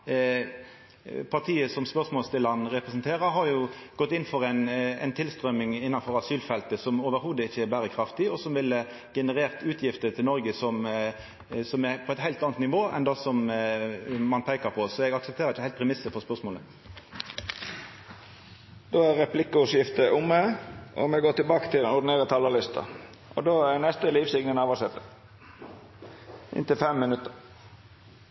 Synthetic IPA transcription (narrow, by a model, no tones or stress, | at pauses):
pʰɑʁt̪ʰiːəsɔmspœʁsmoːlst̪ʰɪlɑnʁɛpʁɛsnt̪ʰeːʁəɾɦɑɾjʊɡ̥ɔt̪ːɪnfɔɾæɪnɛ̰ɪnt̪ʰɪlst̪ʁœmɪŋɪnːɑnfɔɾɑsyːlfɛlt̪əsɔmoːʋəɾhuːd̪əɪçːəɛbæːʁəkʰɾɑft̪ɪɔsɔmʋɪlːə | ɡ̥ɛnəʁeːʁt̪ʉːt̪ʰjɪft̪ət̪ʰɪlnɔɾɡəsɔm | sɔmæpʰɔɛt̪hæɪlt̪ɑːnt̪nɪʋoːɛ̰nd̪ɑsɔm | mɑnpʰeɪkəʁpʰɔsɔɛɡɑksəp̚t̪eːʁəɪçəhæɪt̪pʰʁɛmɪsːəfɔʁspœʁsmoːlə | d̪̥oːæʁʁɛplɪkːʊʊsjɪft̪əʔʊmːəʔɔ̰mɛɡoːt̪ɪlbɑːkə̥t̪ʰɪlɛnʊʁd̪ɪneːʁət̪ʰɑləlɪst̪ʰɑ̰ | ʔɔ̰d̪oːænɛst̪əliːʋsɪɡnənɑːʋɑsɛt̪ːə | ʔɪ̰nt̪ɪlfɛmːɪnʉt̪ːəɾ